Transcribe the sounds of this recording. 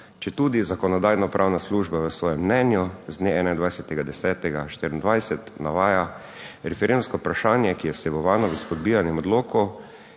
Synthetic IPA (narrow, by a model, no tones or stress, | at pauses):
t͡ʃɛt̪uːd̪izakɔnɔd̪aːjnɔpɾʔaːwnasluʒbaʋəsʋɔːjɛmːnɛnjuzd̪neɛːnajnd̪ʋajsɛt̪ɛɡad̪ɛsɛːt̪ɛɡaʃt̪iɾnd̪ʋajsɛt̪naʋaːja | ɾɛfɛɾend̪mskɔpɾaʃaːnjɛkijɛsɛʋɔʋaːnɔʋispɔd̪bijanjɛmɔd̪loːkɔ